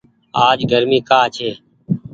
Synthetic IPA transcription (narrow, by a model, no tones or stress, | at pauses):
aːd͡ʒɡʱəɾmiːkaːt͡ʃʰeː